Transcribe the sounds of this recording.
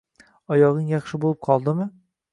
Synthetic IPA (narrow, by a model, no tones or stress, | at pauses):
ɒjɒʁɨŋjɑχʃɪbolˠɪp̚qʰɒlˠd̪ɪmɪ